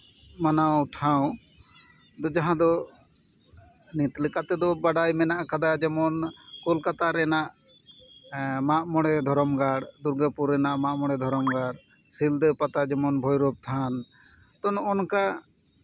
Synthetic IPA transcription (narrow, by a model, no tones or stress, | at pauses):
manawʈʰãw̃ | d̪ɔd͡ʒaɦãd̪ɔ | nit̪lɛkat̪ɛd̪ɔbaɽajmɛnaʔkad̪ad͡ʒɛmɔnkulkat̪aɾɛnaʔ | maʔmɔɽɛd̪ʱɔɾɔmɡaɽd̪uɾɡəpuɾɛnaʔmaʔmɔɽɛd̪ʱɔɾɔmɡaɽ | sild̪pat̪ad͡ʒɛmɔnbʱɔjɾɔb̚t̪ʰan | t̪ɔnɔnka